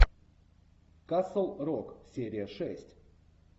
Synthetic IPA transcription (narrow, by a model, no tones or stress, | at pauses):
kasəlˠroksʲeɾʲɪjəʂɛsʲtʲ